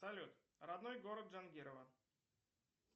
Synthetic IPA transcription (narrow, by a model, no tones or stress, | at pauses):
sɐlʲut̪ | ɾad̪nojɡoɾət̪ʐanɡʲiɾəvə